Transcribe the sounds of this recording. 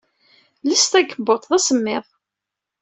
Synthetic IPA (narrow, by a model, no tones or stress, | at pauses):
list̪æɡəbːot̪ˤðæsəmːɪðˤ